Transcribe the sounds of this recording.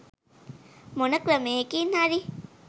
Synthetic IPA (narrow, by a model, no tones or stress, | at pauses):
monɐkɾɐmeːkiːnhaɾi